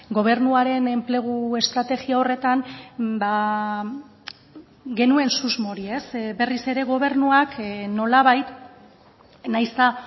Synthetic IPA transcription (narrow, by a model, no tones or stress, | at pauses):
ɡo̞β̞e̞ɾnuaɾe̞ne̞mple̞ɣ̞ue̞st̪ɾat̪e̞ɣiao̞re̞t̪anba | ɡe̞nue̞nsuzmo̞ɾie̞sbe̞rise̞ɾe̞ɣ̞o̞β̞e̞ɾnuakno̞laβajt̪ | najst̪a